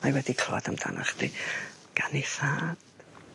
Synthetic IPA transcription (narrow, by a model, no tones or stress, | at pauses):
majwɛdikʰladəmd̥ʰa̰nʔa̰χd̥̪i | ɡ̥aniθad̥